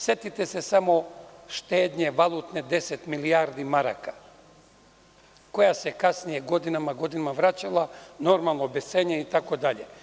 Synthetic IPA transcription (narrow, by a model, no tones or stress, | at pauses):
set̪it̪ɛsɛsamoʃt̪eːd̪ɲeʋalˠut̪nɛd̪esɛt̪miliaɾd̪imaɾa̰ka | kojasɛkasnijɛɡod̪inamaɡod̪inamavɾat͡ʃalˠanoɾmalˠnobɛseɲɛit̪akod̪aʎɛ